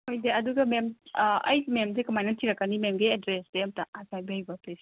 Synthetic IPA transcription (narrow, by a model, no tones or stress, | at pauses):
hojdeɐduɡɐmemɐjmemzekɐmajnɐtʰiɾɐkːanimemɡeedɾesdeɐmtaʔasʰajbajibɐples